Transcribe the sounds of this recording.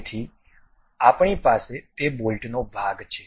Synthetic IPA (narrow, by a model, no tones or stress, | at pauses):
t̪ʰi | apɳ̃ipaset̪ebolʈnobʱaɡt͡ʃʰe